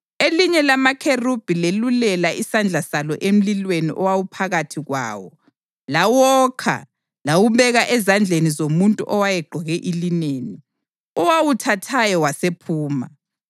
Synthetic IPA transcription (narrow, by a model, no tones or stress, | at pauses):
eliɲɛlamakʰerub̥ʱilelulɛlaʔisand͡ɮʱasalɔʔem̩lilweniʔɔwawupʰaɣatʰiɣwa̰ːwɔ | lawɔːkʰa̰ | lawumɛɣaʔɛzand͡ɮʱenizomuntʼṵʔɔwajɛɡ͡ǃʱɔɣɛʔilineːni | ɔwawutʰatʰajɔwasepʰuːma